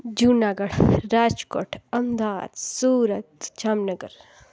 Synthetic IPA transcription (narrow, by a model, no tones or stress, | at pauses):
d͡ʒunaːɡɐɽɾaːd͡ʒko̰ːʈʰɐmd̪aːd̪suːɾət̪t͡ʃaːmnɐɡə̰ɾ